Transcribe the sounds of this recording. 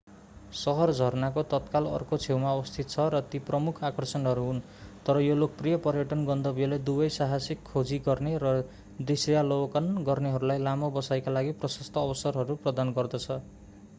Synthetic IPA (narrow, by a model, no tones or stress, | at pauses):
sʌɦʌrd͡zʱʌrnakot̪ʌt̪kalʌ̰rkot͡sʰewmaʌbʌst̪ʰit̪̚t͡sʰʌɾʌt̪iprʌmukʰakʌrsʌnɦʌɾuɦun | t̪ʌɾʌjolok̚prijʌpʌɾjʌʈʌnɡʌnd̪ʌbijʌled̪ubʌjsaɦasikʰːod͡ziɡʌrneɾʌ | d̪isjalokʌnɡʌrneɦʌɾulajlamobʌsajkalaɡiprʌsʌst̪ʰʌːbʌsʌrɦʌɾuprʌd̪anɡʌrd̪ʌt͡sʰʌ